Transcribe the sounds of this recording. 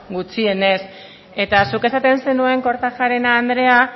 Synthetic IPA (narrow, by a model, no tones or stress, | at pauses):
ɡut͡sie̞ne̞s | e̞t̪asuke̞sat̪e̞nse̞nue̞ŋko̞ɾt̪axaɾe̞naːnd̪ɾe̞a